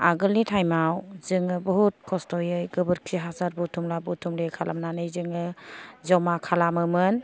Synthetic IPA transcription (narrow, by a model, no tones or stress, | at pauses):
aɡɯlnitʰajmawzɯŋɯbɔɦut̚kʰɔstɔjɯjɡɯbɯɾkʰiɦasaɾbutʰumlabutʰumlekʰala̰mnanɯjzɯŋɯzɔmakʰalamɯmɯn